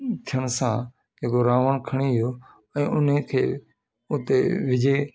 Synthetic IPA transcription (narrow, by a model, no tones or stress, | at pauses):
t̪ʰɪjəɳsãː | d͡ʒeːkoːɾaːʋəɳkʰəɳiːɦɪjoː | ɛ̃ːʔʊnẽːkʰḛː | ʊt̪eːʋɪd͡ʒeː